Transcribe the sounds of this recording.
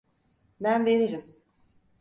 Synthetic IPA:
bænveɾiɾim

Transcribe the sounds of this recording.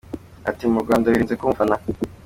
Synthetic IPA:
a̰timuɾɡwaːndajiɾiːnzekuːɱvana

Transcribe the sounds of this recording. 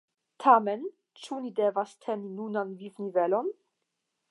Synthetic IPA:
tʰamen | t͡ʃunidevastʰeninunanvivnivɛlon

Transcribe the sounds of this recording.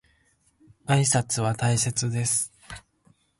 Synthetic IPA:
aisat͡sɨβat̪aise̞t͡sɨd̪e̞sɨ̥

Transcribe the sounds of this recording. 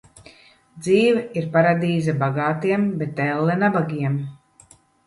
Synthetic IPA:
d̪ziːvɛiɾpaɾad̪iːzɛbaɡaːt̪iɛmbɛt̪ɛlˠːɛnabaɡʲiɛm

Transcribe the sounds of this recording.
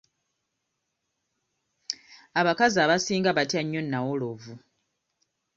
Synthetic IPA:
aβakazaβasiːŋɡaβatjaɲːo̞nːawolovu

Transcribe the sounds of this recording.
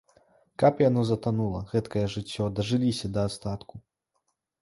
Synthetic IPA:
kapjanɔzɐt̪anulˠɐɣɛt̪kɐjɛʐɨt͡sʲːɔd̪ɐʐɨlʲisʲɐd̪ɐːst̪at̪ku

